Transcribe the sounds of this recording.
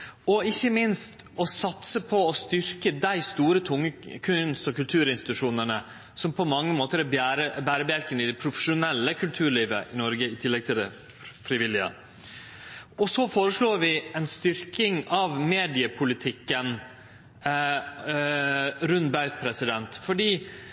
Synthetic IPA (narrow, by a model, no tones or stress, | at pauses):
ɔɪçːəmɪnst̪ɔsɑt̪səpʰɔɔst̪ʏɾkəd̪æɪst̪uːɾət̪ʰʊŋːəkʰʉnst̪ɔkʉlt̪ʰʉːɾɪnst̪ɪt̪ʉʂuːnəɳə | sɔmpʰɔmɑŋːəmoːt̪əɾæbæɾəbæːɾəbæɾkənəɪd̪ɛpʰɾʊfə̥ʂʊnɛlːəkʰʉlt̪ʰʉːɾɭiːʋə̰ʔɪnɔɾɡəɪt̪ʰɪlːɛɡt̪ʰɪld̪ɛ | fɾɪʋɪlːɪə̰ | ɔsɔfoːɾəʂɭoːɾʋɪɛnst̪ʏɾkɪŋɑʋmeːd̪ɪəpʰʊlɪt̪ʰɪkːən | ɾʉnbɑʉt̪̚pʰɾɛsɪd̪ɛnt̪fɔɖiː